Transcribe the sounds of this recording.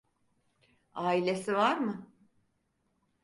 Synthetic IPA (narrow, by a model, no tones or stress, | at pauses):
aːilʲe̞sivaɾmɯ